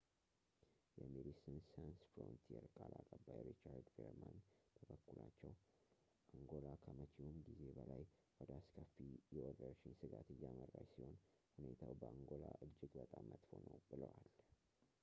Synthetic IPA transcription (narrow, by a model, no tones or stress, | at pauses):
jɛmed̪isənsansfɾont̪ʰiɛɾkʼalakʼəbːajɾit͡ʃaɾd̪ɡeɾmant̪ʰəbəkːulat͡ʃːɛw | ʔaŋɡo̞lakʰəmət͡ʃʰiumɡize̞bəlajwɔd̪əaskʰəfːijɛʔoɾəɾʃɪnsɨɡat̪ɨjːamərːalsiho̞n | hune̞t̪ʰawbəaŋɡo̞laʔɨd͡ʒːɪɡbət̪ʼamːət̪ho̞nəwbɨləwal